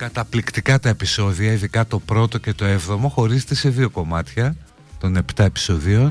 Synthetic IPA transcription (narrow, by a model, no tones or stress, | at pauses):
kɐt̪ɐplikt̪ikɐt̪ɐe̞piso̞ðiɐiðikɐt̪o̞pɾo̞t̪o̞ce̞t̪o̞e̞vðo̞mo̞xo̞ɾizet̪e̞se̞ðio̞ko̞mɐt̪çɐ | t̪o̞ne̞pt̪ɐe̞pi̥so̞ðio